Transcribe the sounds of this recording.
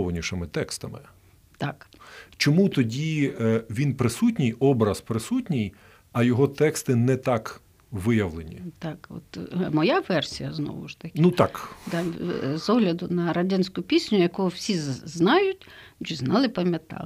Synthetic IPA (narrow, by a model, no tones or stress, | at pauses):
ʋɐnʲiʃɪmɪt̪ɛkst̪ɐmɪ̰ | t̪ɑkt͡ʃɔmut̪ɔdʲiʋʲinpɾɪsutʲnʲijɔbɾɐspɾɪsutʲnʲij | ɐjɔɦɔt̪ɛkst̪ɪnɛt̪ɑk | ʋɪjɐʋlˠenʲḭt̪ɑkɔ̰t̪mɔjaʋɛrsʲijɐznɔ̰ʋʊ̰ʃt̪ɐkʲnut̪ɑkd̪ɑzɔɦlʲɐd̪ʊnɐɾɐdʲanʲsʲkʊpʲisʲnʲʊjɐkɔɦʊwsʲiznɑjʊtʲ | t͡ʃɛznɑlˠɪpɐmʲjɐt̪ɑ̰lˠ